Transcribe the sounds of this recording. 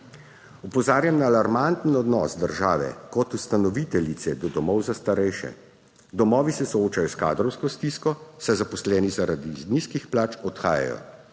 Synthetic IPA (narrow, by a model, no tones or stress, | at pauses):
upɔzaːɾjamnaːlaɾmant̪n̩ɔd̪nɔsd̪əɾʒaːʋɛ̰kɔt̪ust̪anɔʋit̪ɛlit̪sɛd̪ɔd̪ɔmɔwzast̪aɾɛjʃɛ̰ | d̪ɔmɔːʋisɛsɔoːt͡ʃajɔska̰ːd̪ɾɔwskɔst̪iskɔsɛjzapɔslɛːnizaɾad̪izniskixplaːt͡ʃɔt̪xaːja̰jɔ̰